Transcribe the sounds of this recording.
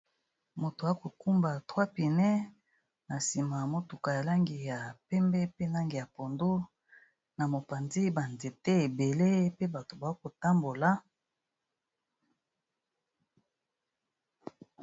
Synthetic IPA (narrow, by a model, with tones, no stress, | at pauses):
mo˨to˨a˨˦ko˨ku˦mba˨twa˦pi˨nɛ˦ | na˨si˨ma˨mo˦tu˨ka˨ja˨la˦ŋɡi˨ja˨pɛ˦mbɛ˦pe˦na˦ŋɡi˨ja˨po˨ndo˦ | na˨mo˨pa˨ndi˦ba˨nde˨te˦e˨be˨le˦pe˦ba˨to˨ba˨˦ko˨ta˦mbo˨la˦